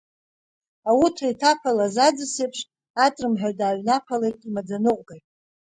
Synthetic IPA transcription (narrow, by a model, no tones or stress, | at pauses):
awutʰaitʰapʰalazad͡zɨsejpʰʂ | atʼrɨmħᶣadaːɥʷnapʰalejtʼimad͡zanɨqʷʼɡajtʼ